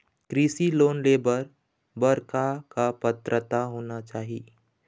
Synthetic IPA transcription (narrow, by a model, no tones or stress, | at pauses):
kɾiːsiloːnleːbəɾ | bɐɾkakapət̪ɾət̪aɦoːnat͡ʃaːɦiː